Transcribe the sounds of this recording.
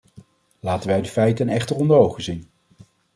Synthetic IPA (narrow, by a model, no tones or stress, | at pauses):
laːtənʋɛjdəfɛjtənɛχtərɔndərowχəzin